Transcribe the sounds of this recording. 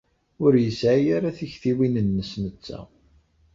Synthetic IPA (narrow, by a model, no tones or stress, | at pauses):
ʊɾjəsʕijaɾaθiçθiwinənːəsnət͡sːæ̰